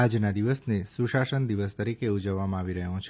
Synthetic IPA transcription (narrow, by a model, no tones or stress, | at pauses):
ad͡ʒnad̪iʋəsnesuʃaʃənd̪iʋəst̪əɾikeud͡ʒəʋːamãaʋiɾəɦõt͡ʃʰ